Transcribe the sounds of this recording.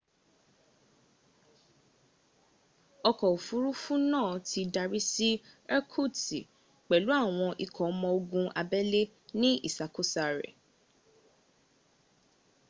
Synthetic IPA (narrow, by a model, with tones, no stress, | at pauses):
ɔ˧kɔ˨o˨fu˨˦ɾu˦fũ˦nãː˦˨ti˧da˧ɾi˦si˦ɛ˦kʰu˦˨ti˨ | k͡pɛ˨lu˨˦a˦˨w̃ɔ̃˧ʔi˧kʰɔ˨˦mɔ̃˧o˧ɡũ˧ʔa˧bɛ˦le˦ | nĩ˦ḭ˦˨sa˨ko˦sa˨ɾɛ̰˨